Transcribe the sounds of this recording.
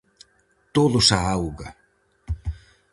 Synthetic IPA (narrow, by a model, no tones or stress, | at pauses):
t̪oðusaawɣa